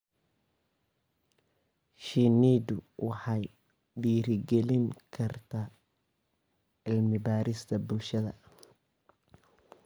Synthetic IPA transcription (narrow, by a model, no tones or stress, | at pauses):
ʃiniːd̪ʊwɑħɑj | ɖiːɾɪɡɛlɪŋkʰɐrt̪ʰaː | ɪlmɪbaːɾɪst̪ʰɐbʊlʃɐðɐ̰